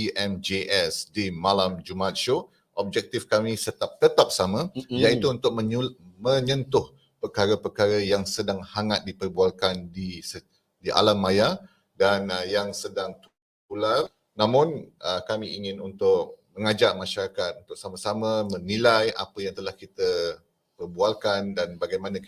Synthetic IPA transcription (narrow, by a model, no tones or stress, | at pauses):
iʔɛmd͡ʒeʔɛsdimalamd͡ʒumaat̪̚ʃo | ʔɔb̚d͡ʒɛk̚t̪ifkamĩsət̪ap̚t̪ət̪ap̚samãjait̪uunt̪ʊk̚məmə̃ɲə̃nt̪ʊh | pərkaɾəpərkaɾəjaŋsədaŋhaŋat̪̚dipərbualkandisə | diʔa̰lamːaja | danjaŋsədaŋt̪ | pular | nãmʊ̃nʔəkamiiŋɪnunt̪ʊkməŋad͡ʒamaʃaɾakat̪̚unt̪ʊk̚samasamə̃mənilajʔa̰pəjaŋt̪əlahkit̪ə | pərbualkandanbaɡajmanã